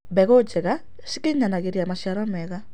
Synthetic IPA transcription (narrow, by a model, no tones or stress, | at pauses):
bɛɣod͡ʒɛɣa | ʃikeɲanaɣeɾjamaʃjaɾɔmɛɣa